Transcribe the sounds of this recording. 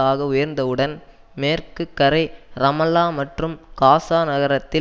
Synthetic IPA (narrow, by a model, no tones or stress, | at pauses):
aːɣɐʊjɐɾnd̪ɐɯɽɐn | meːrkɯkːɐɾɐɪɾɐmɐlːaːmɐʈrɯmkaːsaːnɐɣɐɾɐt̪ːɪ